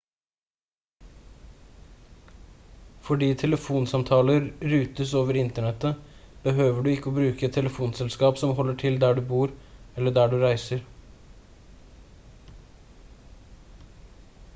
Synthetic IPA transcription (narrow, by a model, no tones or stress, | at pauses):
fɔɖiːt̪ʰɛləfuːnsɑmt̪ʰɑːləɾɾʉːt̪əsoːʋəɾɪnt̪əɳɛt̪ːəb̥əɦøːʋəɖʉɪkːəobɾʉːkəɛt̪ʰːɛləfuːnsɛlskɑːpsɔmɦɔlːəʈʰɪld̪æɖʉbuːɾɛlːəɖæːɖʉɾæɪsəɾ